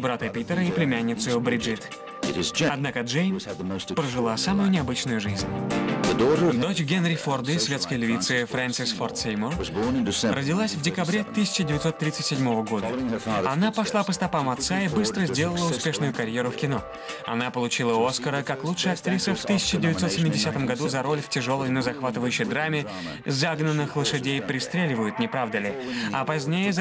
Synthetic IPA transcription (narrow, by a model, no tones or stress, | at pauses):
bɾat̪əpʲit̪əɾəiplʲɪmʲænʲːɪt̪sʊjʊbɾʲɪʐit̪ | ɐd̪nakəʐejnpɾəʐɨlˠasamʊjʊnʲɪɐbɨt͡ɕnʊjʊʐɨzʲnʲədɔd̪o̞t͡ɕɡʲenɾʲɪford̪ɨsvʲe̞t̪skəjlʲɪvʲit̪sɨɪfɾant̪sɨsfort̪sʲejmʊr | rʔədʲɪlˠasʲvdʲɪkɐbɾʲe̞t̪ɨsʲɪ̥t͡ɕɪdʲɪvʲɪt̪so̞t̪ːɾʲit̪sɨtʲsʲɪdʲmo̞vəɡo̞d̪əɐnapɐʂlˠapəst̪ɐpamɐt̪saibɨst̪ɾəzʲdʲe̞lˠəlˠəʊspʲe̞ʂnʊjʊkɐɾʲjeɾʊfkʲɪno̞ | ɐ̰napəlˠʊt͡ɕilˠəo̞skəɾəkaklˠutʂɨjɐk̚t̪ɾʲisəft̪ɨsʲɪ̥t͡ɕɪdʲɪvʲɪt̪so̞t̪sʲɪmʲːɪdʲɪsʲat̪əmɡɐd̪uzɐɾo̞lʲftʲɪʐo̞lˠəjnəzɐxvat̪ɨvəjʉɕːɪjd̪ɾamʲɪ | zaɡnənːɨxlˠəʂɨdʲejpɾʲɪst̪ɾʲelʲɪvəjʊt̪nʲɪpɾavd̪əlʲɪɐ̰pɐzʲnʲejəz